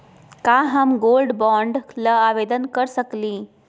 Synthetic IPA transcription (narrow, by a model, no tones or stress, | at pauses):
kaɦamɡolɖbɔɳɖləaʋed̪ənkəɾsəkliː